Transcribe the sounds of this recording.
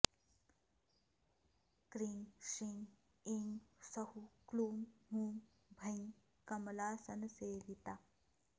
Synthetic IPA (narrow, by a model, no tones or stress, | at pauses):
kɾiŋsiŋɡ | iŋɡsɐhukluːmɦuːm | bʱɐjŋ | kɐmlaːsɐnseːʋit̪a